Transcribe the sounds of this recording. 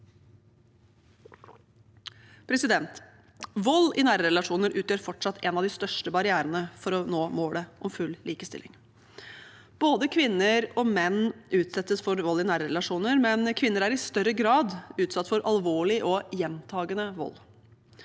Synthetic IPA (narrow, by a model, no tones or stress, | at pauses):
pʰɾɛsɪd̪ɛnt̪ | ʋɔlːɪnæːɾəɾɛlɑʂuːnəɾʔʉːt̪ʰjøːɾfɔʈʂɑt̪ʰːɛnɑʋd̪ɪst̪œʂʈəbɑɾɪæːɾənəfɔɾɔnoːmoːləʔɔmfʉlliːkəst̪ɪ̰lʔɪ̰ŋ | b̥oːd̪əkʰʋɪnːəɾɔmɛnːʔʉːt̪sɛt̪ːəsfɔɾʋɔlːɪnæːɾəɾɛlɑʂuːnəɾmɛnkʰʋɪnːəɾæɾɪst̪œɾəɡɾɑːd̪ʉːt̪sɑt̪ːfɔɾʔɑlʋoːɭɪʔɔjɛnt̪ʰɑːɡənəʋɔ̰lː